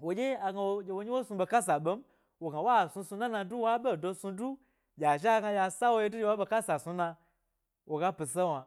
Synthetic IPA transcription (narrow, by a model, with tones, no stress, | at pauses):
wo˨d͡ʒe˦a˨ɡa˧wo˧d͡ʒe˧wo˧ɲi˦wo˦su˧ɓe˧ka˦s̬a˨ɓe˦m̩˦ | wo˨ɡa˨wa˦˨su˧su˧na˦na˧du˦wa˦ɓe˦˨do˧su˧du˦ | jʲa˨ʒɡa˧ja˧sa˦wo˦ji˦du˦d͡ʒe˧wa˦ɓe˧ka˦sa˨su˧na˧ | wo˨ɡa˦pi˨se˦wa˨